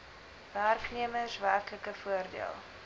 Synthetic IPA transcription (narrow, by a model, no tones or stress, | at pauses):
værkniəməsværkləkəfuərdḭəlˠ